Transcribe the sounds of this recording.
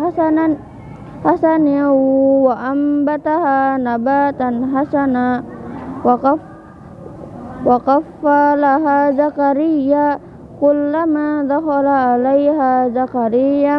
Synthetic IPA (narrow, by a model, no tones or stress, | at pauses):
haana | hasaniwaʔambat̪ahanabat̪anɦasana | wakafalaɦazakaɾijːa | kulːamad̪axalaʔːlajɦazakaɾija